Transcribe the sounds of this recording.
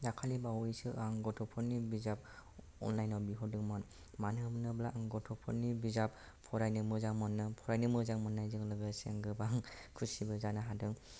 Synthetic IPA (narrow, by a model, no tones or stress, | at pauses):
zakʰalibawɔisɯʔaŋɡɔtʰɔpʰɔnibizap̚ | ɔ̰nlajnɔwbiɦɔdɯŋmɔn | manɯbɯnɯblaaŋɡɔtʰɔpʰɔnibizap | pʰɔɾajnɯmɯzaŋmɔnːɯpʰɔɾajnɯmɯzaŋmɔnːajzɯŋlɯɡɯsḛŋɡɯbaŋkʰusibɯzanaɦadɯŋ